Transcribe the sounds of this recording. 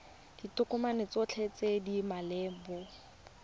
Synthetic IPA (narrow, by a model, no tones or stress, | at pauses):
d̥itʊkʊmanet͡sɔt͡ɬʰet͡sedimalɛːbɔ